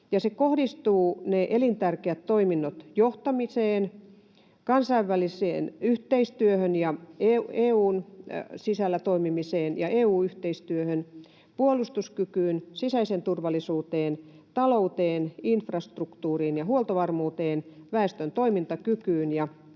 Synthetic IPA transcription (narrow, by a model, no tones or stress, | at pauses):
jɑsekohdist̪uːneʔelint̪ærkeæt̪toiminːot̪joht̪ɑmiseːn | kɑnsɑiʋʋælisḛːnyht̪eist̪yøhønjɑeueːuːnsisælːæt̪oimimiseːnjɑʔeːuːyht̪eist̪yøhøn | puolust̪uskykyːnsisæisent̪urʋɑlːˑisuːt̪eːnt̪ɑlout̪eːninfrɑst̪rukt̪uːriːnjɑhuolt̪oʋɑrmuːt̪eːnʋæest̪ønt̪oimint̪ɑkykyːnjɑ